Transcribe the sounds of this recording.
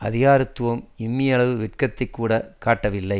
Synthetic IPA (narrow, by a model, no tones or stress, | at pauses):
ɐ̰ðɪɣaːɾɯt̪ːɯʋɐmɪmːijɐɭɐʋɯʋɪʈ̚kɐt̪ːɐɪkːuːɽɐkaːʈːɐʋɪlːɐɪ